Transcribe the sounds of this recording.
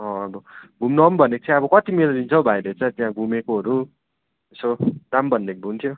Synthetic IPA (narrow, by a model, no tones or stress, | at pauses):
ʌ̃ːbʌɡʱumnʌmbʱʌnekt͡sʰãʌbʌkʌt̪imeɾod̪int͡sʰʌwbʱajɾʌt͡sʌ̃t̪jãɡʱumekoɦʌɾu | esod̪̥ambʱʌnd̪ek̚bʱunt̪ʰjo